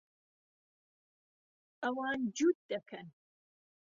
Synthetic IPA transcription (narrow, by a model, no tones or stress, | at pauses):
ʔɐwɑːnd͡ʒud̪̚d̪ɐkʰɐn